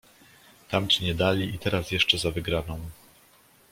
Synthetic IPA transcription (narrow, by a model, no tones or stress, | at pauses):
t̪amt͡ɕiɲɛd̪alʲiit̪ɛɾasjɛʂt͡ʂɛzavɘɡɾanɔ̃w̃